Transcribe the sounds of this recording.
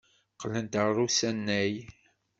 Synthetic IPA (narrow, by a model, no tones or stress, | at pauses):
qlənt̪ərˤːusænːæj